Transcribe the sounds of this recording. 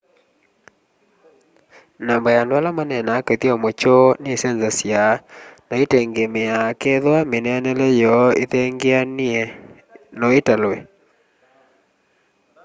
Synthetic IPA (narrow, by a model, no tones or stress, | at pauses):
nambajandwalamanɛnaːketiɔmot͡ʃonesɛnzasjanɔetɛŋɡemeakeðwamenɛanɛlɛjɔeðɛŋɡean | nɔetalwɛ